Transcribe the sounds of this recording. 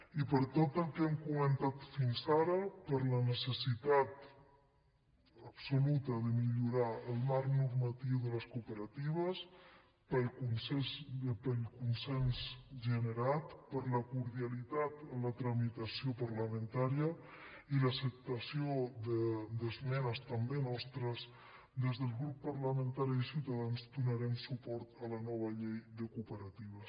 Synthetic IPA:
ipəɾt̪ot̪əlˠkɛmkumənt̪at̪finsaɾəpəɾlənəsəsit̪at̪ | əpsulut̪əðəmiʎuɾaəlˠmaɾnuɾmat̪iwðələskupəɾat̪iβ̞əs | pəlkunsɛpəlkunsɛnzʒənəɾat̪pəɾləkuɾðialit̪at̪ələt̪ɾəmit̪əsiopəɾləmə̃nt̪aɾiə | iləsəp̚t̪əsiod̪əd̪əzmɛnəst̪əmbenɔst̪ɾəs | d̪ezðəlˠɣɾupːəɾləmə̃nt̪aɾiəsiwt̪aðanzd̪unəɾɛmsupɔɾt̪ələnɔβ̞əʎejðəkupəɾat̪iβ̞əs

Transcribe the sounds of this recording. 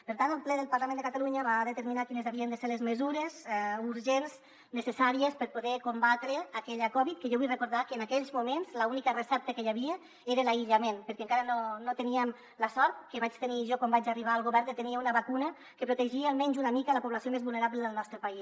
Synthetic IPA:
pəɾt̪ant̪əlˠplɛðəlˠpaɾlamend̪əkat̪aluɲəβaðət̪əɾminakinəzaβiənd̪əseɾlezməzuɾezɛuɾʒenz | nəsəsaɾiəspəɾpuðɛkumbat̪ɾəakɛʎəkɔβit̪̚kəʒɔβujrəkuɾðakəːnakɛʎzmumenzləunikərəsɛp̚t̪əkəjaβiə | eɾəlaiʎəmenpəɾkɛəŋkaɾənonot̪əniəm | ləsɔɾt̪̚kəβat͡ʃt̪əniʒɔkɔmbad͡ʒariβ̞aəlˠɣuβɛɾət̪əniəunəβakunə | kəpɾut̪əʒiːlˠmɛɲzunəmikələpuβlasiomezβulˠneɾabləðəlˠnɔst̪ɾəpais

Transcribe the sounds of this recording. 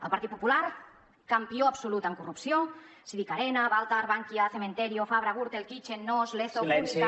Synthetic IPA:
ə̰lˠpaɾt̪it̪̚pu̥pulaɾ | kampioapsulut̪aŋkurupsjo | siðikaɾenaβalˠt̪aɾβaŋkjaθemẽnt̪eɾjofaβɾaɣuɾt̪elkit͡ʃenːozleθo

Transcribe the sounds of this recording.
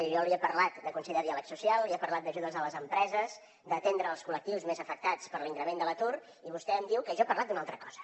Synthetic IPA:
ʒɔəliəpəɾlat̪̚d̪əkunsɛʎəðialəksusialˠliəpərlat̪̚d̪əʒuðəzələzəmpɾɛzəz | d̪ət̪end̪ɾəːlˠskulək̚t̪iwzmezəfək̚t̪at͡spəɾliŋkɾəmend̪ələt̪ur | iβust̪ɛəmd̪iwkəʒɔepərlat̪̚d̪unalˠt̪ɾəkɔz̥ə̥

